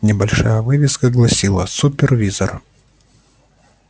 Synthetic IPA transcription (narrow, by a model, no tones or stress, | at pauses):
nʲɪbɐlʲʂajəvɨvʲɪskəɡlˠɐsʲilˠəsʊpʲɪrvʲizər